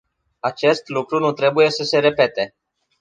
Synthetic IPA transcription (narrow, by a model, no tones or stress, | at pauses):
at͡ʃe̞st̪lukɾunut̪ɾe̞buje̞səse̞ɾe̞pe̞t̪e̞